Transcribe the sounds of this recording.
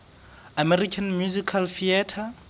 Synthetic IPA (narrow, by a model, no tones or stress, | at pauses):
amɛrikʰanmjuzikʰalfiɛtʰa